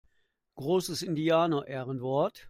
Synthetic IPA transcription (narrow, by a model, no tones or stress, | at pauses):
ɡ̥ʁoːsəsɪndiaːnɐʔɛːʁənvɔɐt